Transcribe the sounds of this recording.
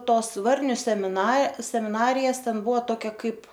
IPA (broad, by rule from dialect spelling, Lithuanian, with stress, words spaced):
ˈtoːs ˈʋɐrʲnʲʊ sʲɛmʲɪˈnɐ sʲɛmʲɪˈnɑːrʲɪjɛs ˈtʲɛn ˈbʊʋɐ ˈtoːkʲɛ ˈkɐɪp